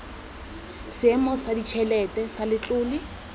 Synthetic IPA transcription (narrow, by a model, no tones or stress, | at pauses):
sɪɛmɔsadit͡ʃʰɛlɛtʼɛsalɪt͡ɬʼʊːli